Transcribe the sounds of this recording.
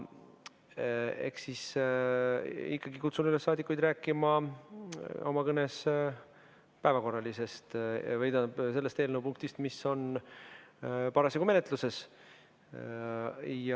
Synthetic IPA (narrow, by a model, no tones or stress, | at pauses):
e̞̰hksis | ikːɑɡikut̪sunylesːɑːd̪ikːˑujd̪ræːkːˑimɑ | o̞mɑkɤne̞s | pæevɑko̞rːɑlise̞st̪vɤjd̪ɑse̞lːe̞st̪elnəwpuŋk̚t̪ist̪misːo̞n | pɑɾɑseɡume̞ne̞t̪luse̞s | jɑ